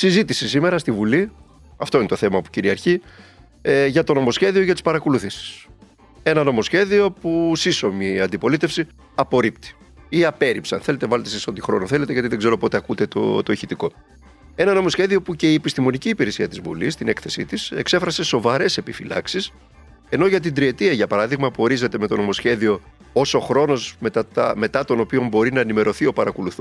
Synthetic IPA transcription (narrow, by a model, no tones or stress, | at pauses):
sizit̪isisime̞ɾɐst̪ivuli | ɐft̪o̞inet̪o̞θe̞mɐpu̥ciɾiɐɾçi | ʝɐt̪o̞no̞mo̞sçe̞ðio̞ʝɐt̪i̥spɐɾɐko̞luθisi̥s | e̞nɐno̞mo̞sçe̞ðio̞pusiso̞miɐnd̪ipo̞lit̪e̞fsi | ɐpo̞ɾipt̪i̥iɐpe̞ɾipsɐ̰nθe̞le̞t̪evɐlet̪esiso̞t̪ixɾo̞̰noθele̞t̪eʝɐt̪iðe̞ɡze̞ɾo̞po̞t̪e̞ɐkut̪e̞t̪o̰t̪oiçit̪iko̞ | e̞nɐno̞mo̞sçe̞ðio̞puce̞iepist̪imo̞niciːpiɾe̞siɐt̪izvṵlist̪ine̞kθe̞sḭt̪ise̞kse̞fɾɐse̞so̞vɐɾe̞se̞pifilɐ̰ksis | e̞no̞ʝɐt̪ind̪ɾie̞t̪iɐʝɐpɐɾɐðiɣmɐpuo̞ɾize̞t̪e̞me̞t̪o̞no̞mo̞sçe̞ðio̞ | o̞so̞xɾo̞no̞smet̪ɐt̪ɐme̞t̪ɐt̪o̞no̞pio̞mbo̞ɾinɐenime̞ɾo̞θio̞pɐɾɐkoluθu